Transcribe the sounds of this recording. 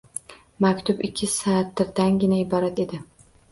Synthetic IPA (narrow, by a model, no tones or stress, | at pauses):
makʲt̪ʰʊbɪkʲʰːɪsaːt̪ːɪɾd̪anɡʲɪnaɪbɒɾat̪e̞d̪ɪ